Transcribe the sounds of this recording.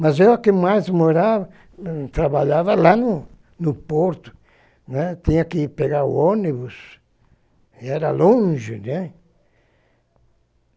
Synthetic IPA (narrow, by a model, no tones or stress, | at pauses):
mɐzewɐkɪmajzmoɾavɐ | t̪ɾaβaʎavɐlanʊ | nʊpoɾt̪ʊ̥ | nɛt̪ĩɲɐkɪpeɡaɾʊ̰onibʊs | iɛɾɐlõʒɪ̰nɛ